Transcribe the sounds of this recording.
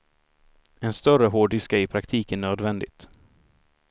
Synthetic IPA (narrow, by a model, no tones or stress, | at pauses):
ɛnst̪œɾəɦoːɖɪskaɾɪpʰɾakt̪ʰiːkənːøːd̪vɛnd̪ɪt̪